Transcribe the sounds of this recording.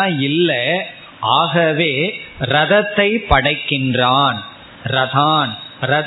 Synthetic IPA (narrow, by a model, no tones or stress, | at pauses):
ɪlːɐ | ʔaːɣɐʋeːɾɐðɐt̪ːɐɪpɐɽɐɪkːɪndraːn | ɾɐðaːnɾɐð